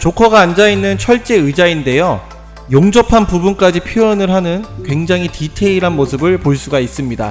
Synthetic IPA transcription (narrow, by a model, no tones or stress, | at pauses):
t͡ɕokʰʌɡaːnd͡ʑainːɯnt͡ɕʰʌɭt͡ɕ͈e̞ɯd͡ʑainde̞jo | joŋd͡ʑʌpʰanpubunk͈ad͡ʑipʰjoʌnɯɭɦanɯnkwe̞ŋd͡ʑaŋɦititʰe̞iɾɦanmosʰɯbɯɭpoɭs͈uɡais͈ɯmɲida̰